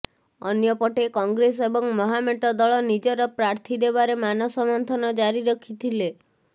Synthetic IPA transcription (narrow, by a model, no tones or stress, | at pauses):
ɔnjɔpɔʈekɔŋɡɾesebɔŋmɔɦameʈɔd̪ɔɭɔnid͡ʒɔɾɔpɾaɾt̪ʰid̪eβaɾemanɔsɔmɔnt̪ʰɔnɔd͡ʒaɾiɾɔkʰit̪ʰile